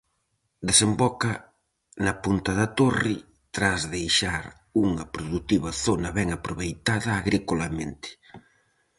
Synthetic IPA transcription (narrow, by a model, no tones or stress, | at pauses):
d̪esembɔkɐ | nɐpunt̪ɐðɐt̪ori | t̪ɾazðejʃaɾ | uŋɐpɾoðut̪iβɐθonɐβɛŋapɾoβejt̪aðɐːɣɾikolamẽnt̪ɪ̥